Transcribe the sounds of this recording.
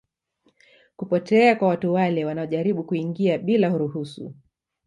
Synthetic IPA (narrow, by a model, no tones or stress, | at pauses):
kupɔtɛakwawatuwalɛwanaɔʄaɾiɓukuiŋɡiaɓilahuɾuhusṵ